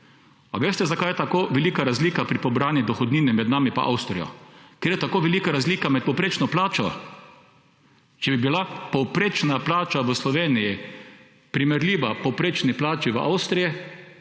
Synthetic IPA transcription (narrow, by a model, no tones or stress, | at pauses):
pa̰ʋeːst̪ɛzakajɛt̪akoːʋɛliːkaɾazliːkapɾipɔbɾaːnjid̪ɔxɔd̪niːnɛmɛd̪naːmipa̰ʔa̰wst̪ɾijɔ̰keːɾjɛt̪akoːʋɛliːkaɾazliːkamɛt̪̚pɔwpɾeːt͡ʃnɔplaːt͡ʃɔ | t͡ʃɛbibilapɔwpɾeːt͡ʃnaplaːt͡ʃaʋəslɔʋeːniji | pɾimɛɾlʲiːʋapɔwpɾeːt͡ʃniplaːt͡ʃiʋəʔa̰wst̪ɾijɛ